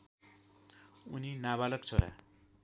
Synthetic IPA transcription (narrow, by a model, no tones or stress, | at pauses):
uninaβalʌk̚t͡sʰoɾa̰